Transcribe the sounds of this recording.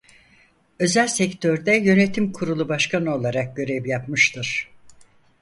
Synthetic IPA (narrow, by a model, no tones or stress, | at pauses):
ø̞zælʲsɛct̪ʰøɾd̪ɛjø̞net̪ʰimkʰuɾulˠubaʃkʰanɯo̞lˠaɾak̚ɟø̞ɾevjapmɯʃt̪ʰɯɾ̥